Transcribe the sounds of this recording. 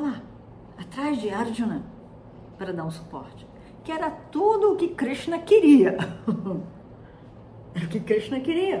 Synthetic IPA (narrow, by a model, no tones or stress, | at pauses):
la | at̪ɾazd͡ʒɪaɾd͡ʒunɐ̃ | paɾɐd̪aɾũsʊ̥pɔ̰ɾt͡ʃɪ̥ | kɪɛɾɐt̪od̪ʊːkɪkɾiʃt͡ʃnɐkɪɾiɐ | ɛɾɐʊkɪkɾit͡ʃnɐkɪɾiɐ